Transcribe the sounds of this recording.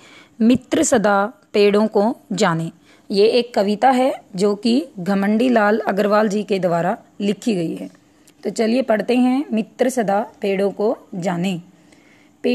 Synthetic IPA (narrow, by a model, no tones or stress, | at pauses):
mɪt̪ɾəsɐd̪aːpeːɽõkod͡ʒaːneː | jeeːkːɐʋɪt̪aɦɛd͡ʒoːkiɡʱɐmə̃ɳɖilaːlɐɡəɾʋaːld͡ʒiːked̪ʊʋaːɾa | lɪkʰiɡɐiɦɛː | t̪oːt͡ʃɐliepɐɽt̪eɦɛ̃mɪt̪ɾəsɐd̪apeːɽõkod͡ʒaːne | peː